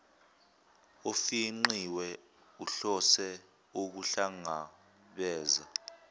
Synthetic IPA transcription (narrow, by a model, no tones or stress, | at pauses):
ofiŋ͡ǃiwɛ | uɬɔsɛ | uk̬uɬaŋa | ɓɛːza